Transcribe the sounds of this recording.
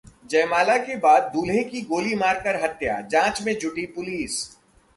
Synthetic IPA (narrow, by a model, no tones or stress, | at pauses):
d͡ʒɐːmaːlakebaːd̪̚ːuːlɦẽkiɡoːlimaːɾkəɾɦɐt̪ja̰d͡ʒãːt͡ʃmẽd͡ʒʱʊʈipʊliːs